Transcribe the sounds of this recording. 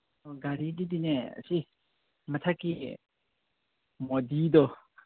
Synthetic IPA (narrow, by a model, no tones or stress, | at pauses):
ɡaɾidid̪inɛ̰si | mət̪ʰakːi | mɔd̪id̪ɔ